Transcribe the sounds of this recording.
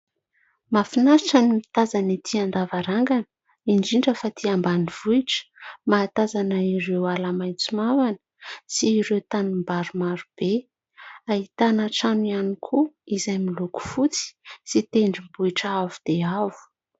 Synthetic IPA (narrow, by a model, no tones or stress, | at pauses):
mafinasaʈ͡ʂanimit̪azanit̪ʰiand̪avaɾaŋɡanə̥ | iɳɖ͡ʐiɳɖ͡ʐəfat̪ʰiambaniv̥uiʈ͡ʂə̥maːt̪azanaiɾewalamajt͡sumavanə̥siːɾewt̪anumbaɾumaɾub̥e | ait̪anaʈ͡ʂanianikʰuizajmiluku̥fut͡si̥sit̪eɳɖ͡ʐimbuiʈ͡ʂaavud̪̥eavu̥